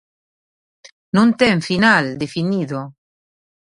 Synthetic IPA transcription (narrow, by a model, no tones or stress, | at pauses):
nõnt̪eɱfinald̪efiniðo